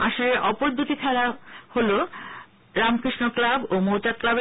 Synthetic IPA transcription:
aʃoleɾʔɔpoɾd̪ʱut̪ik̪ʰɛɾaholo | ɾamkɾiʃnoklabomot͡ɕat̪̚klabe

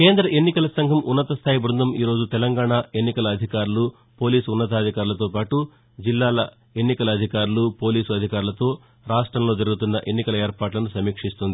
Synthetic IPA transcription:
keːnd̪ɾɐʔe̞nːikɐlɐsɐŋɡʱɐmʔunːɐt̪ɐst̪ʰaːjibɾund̪ɐmiːɾo̞ːd͡ʒut̪ɛlɐŋɡaːɳaːe̞nːikɐlɐːd̪ʱikaːɾulu | po̞ːliːsunːɐt̪̬aːd̪ʱikaːɾulɐt̪o̞ːpaːʈu | d͡ʒilːaːlɐ | e̞nːikɐlɐːd̪ʱikaːɾulupo̞ːliːsuɐd̪ʱikaːɾulɐt̪o̞ː | ɾaːʂʈɾɐmlo̞ːd͡ʒɐɾuɡut̪unːɐʔe̞nːikɐlɐeːɾpaːʈlɐnusɐmiːkʂist̪und̪ii

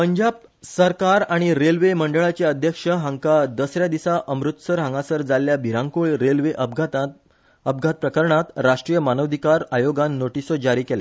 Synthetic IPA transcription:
pəɲd͡ʑab̚ | səɾkaɾaɽ̃iɾelʋeməɳɖəɭat͡ɕeəd̪ʱjəkʂəɦãŋkad̪əsɾjad̪isaʔəmɾut̪səɾɦãŋɡasəɾd͡zaljabʱiɾãŋkuɭɾelʋeʔəbɡt̪ | əb̚ɡʱat̪̚pɾəkəɾɳat̪ɾaʂʈɾijəmanəʋd̪ʱikaɾajoɡanːoʈisɔd͡ʑaɾiːkela̰

